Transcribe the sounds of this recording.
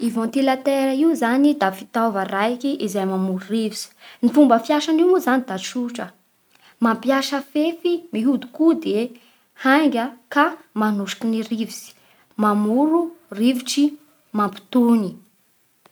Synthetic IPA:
ivɔ̃nt̪ilat̪eɾəiuzanid̪afit̪avarajkiʔizajmamuɾuriviz̥i̥nifumbəfjaʃaniwmuzanid̪aʃuʈ͡ʂə | mampjaʃəfefimiɦud̪ukud̪e | hajŋɡʲəkamanuʃi̥kiniriviz̥i̥ | mamuɾuriviʈ͡ʂi | mampi̥t̪uni

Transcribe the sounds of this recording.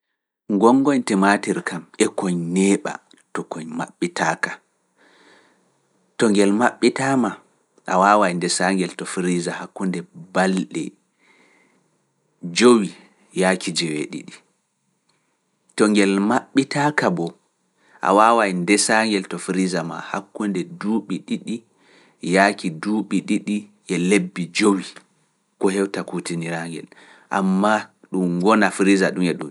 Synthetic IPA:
ŋɡɔŋːɡɔɲtɛmatiɾkʰamɛkɔɲnɛːɓa̰ | tɔkɔɲma̰ɓːitaːkḁ | tɔŋɡɛlmaɓːitama | ʔa̰wawajndɛsaŋɡɛltɔfɾizahakːundɛbalɗɛ̰ | d͡ʒowi | jakʰid͡ʒɛweɗḭɗi | tɔŋɡɛlmaɓːitakabɔ | ʔa̰wawajndɛsaŋɡɛltɔfɾizama̰ha̰kːundɛduːɓiɗiɗi | jakiduːɓiɗiɗiʔɛlebːid͡ʒowi | kɔhɛwtakutiniɾaŋɡɛ̰l | ʔa̰mːa | ɗumɡɔnafɾizaɗumɛɗum

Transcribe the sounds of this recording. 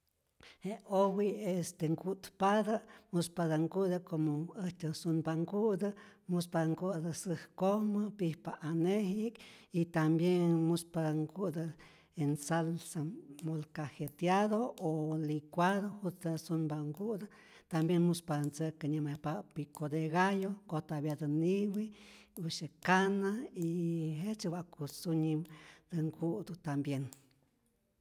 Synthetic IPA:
heowiest̪eŋɡut̪pad̪amuspaðaŋɡud̪akomoəht͡ʃasunbaŋɡud̪əmuspad̪aŋɡud̪əsɨhkohməpihpaʔanehikit̪ambjenmuspad̪aŋɡud̪a | ensalsamolkahet̪jaðoolikʷaðohud̪asunbaŋɡud̪a | t̪ambjenmuspadnt͡səkəɲamepapikod̪eɣajokot̪aβjad̪əniwiuʃekanaiɦet͡ʃewakusuɲimd̪̥əŋɡuʔd̪ut̪ambjen

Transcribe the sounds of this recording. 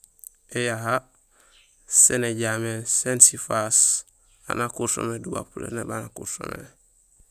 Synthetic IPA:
ejaɦa | seneɟamesensifas | a̰nakuɾso̰meduba̰pulḛnebanakṵɾso̰mḛ

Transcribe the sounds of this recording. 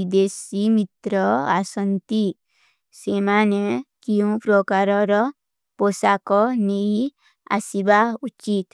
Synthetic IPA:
id̪esimit̪ɾɔa̰sənt̪i | semanekiũpɾɔkaɾɔɾɔ | posakɔnei | a̰sibaut͡ʃit̪

